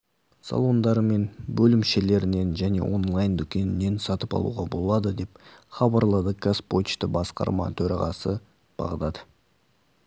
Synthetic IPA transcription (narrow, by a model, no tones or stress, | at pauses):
sɑ̰lˠo̞nd̪ɑɾme̞nbɵlɪmʃe̞le̞ɾɪne̞nʒæne̞̰wʔo̞̰nlˠajnd̪ʏkʲe̞nɪne̞nsɑt̪əpɑ̰lˠṵʁɑbo̞lˠɑd̪əd̪e̞pχɑbɑɾlˠəd̪əkaspo̞t͡ʃt̪ɪbɑsqɑ̰ɾmɑ̰t̪ʰɵɾɑ̰ʁɑ̰sə | b̥ɑ̰ʁd̪ɑd̪ə